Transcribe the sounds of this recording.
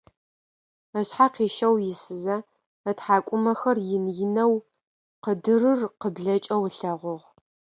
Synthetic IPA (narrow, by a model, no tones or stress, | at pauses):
ɐɕħaqiːʃɐwjɪsɨzɐ | ɐtħaːkʷʼʊmɐxɐrjɪnjɪnɐw | qədɨrɨrqəbɮɐt͡ʃʼɐwɬɐʁʷʊʁ